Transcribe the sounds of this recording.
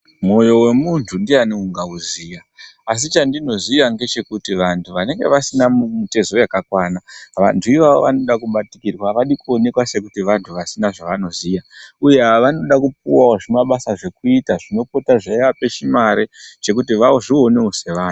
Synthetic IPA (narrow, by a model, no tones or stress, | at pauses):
mo̞jo̞we̞muntʰundianeuŋɡauzijaːs̬it͡ʃandino̞zijaŋɡe̞t͡ʃe̞kutiʋantʰuʋane̞ŋɡe̞̰ʋasinamumite̞zo̞jakakwaːnaʋa̰ntʰuiʋaʋo̰ʋano̞ɗakumbatikirwaʋaɗikuo̞ne̞kwase̞kutiʋantʰuʋasinaʐaʋano̞zijaujeaʋano̞ɗakup̚uwaoʐemaɓasaʐe̞kuitaʐino̞po̞taʐaiʋape̞t͡ʃimaɾet͡ʃe̞k̬utiʋawoʐio̞ne̞ose̞ʋaːn